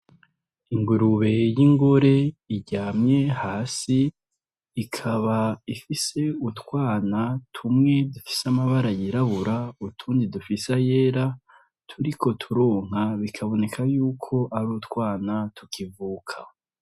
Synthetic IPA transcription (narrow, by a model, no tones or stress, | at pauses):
iŋɡuɾuβe̞jiŋɡoɾe̞iɟaːmɲe̞haːsiː | kʰaβaifise̞utwaːnatʰumŋe̞dufi̥samaβaɾajiɾaβuɾautʰuːndidufisaje̞ːɾa | tʰuɾikʰo̞tʰuɾoːŋ̥aβikʰaβo̞ne̞kʰajuːkʰo̞ʔaɾuːtkwaːnatʰukʰivuːkʰa